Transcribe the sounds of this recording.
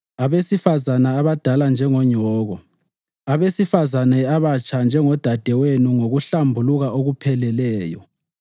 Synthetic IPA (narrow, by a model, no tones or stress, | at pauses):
aβesifazanaːβad̥ʱaland͡ʒʱɛŋɔɲɔːɣɔ | aβesifazanɛaβat͡ʃʰʼand͡ʒʱɛŋɔd̥ʱad̥ʱɛwenuŋoɣuɬambʱuluɣaoɣupʰɛlɛlɛːjɔ̰